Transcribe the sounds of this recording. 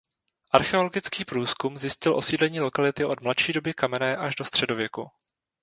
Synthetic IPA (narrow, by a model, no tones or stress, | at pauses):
ʔaɾxɛo̞loɡɪt͡skiːpɾuːskumzjɪscɪlʔo̞siːdlɛɲiːlo̞kalɪt̪ɪʔo̞dmlatʃiːdo̞bɪkamɛnɛːʔaʒdost̪r̥ɛdo̞vjɛku